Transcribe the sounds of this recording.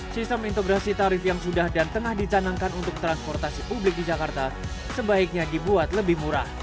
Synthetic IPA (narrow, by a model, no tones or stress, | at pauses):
sist̪əmint̪oɡɾasit̪aɾɪfjaŋsudahdant̪əŋahdit͡ʃanaŋkanunt̪ʊk̚t̪ɾanspɔrt̪asipublɪk̚did͡ʒakart̪a | səbaɪk̚ɲadibuat̪ləbɪhmuɾa̰h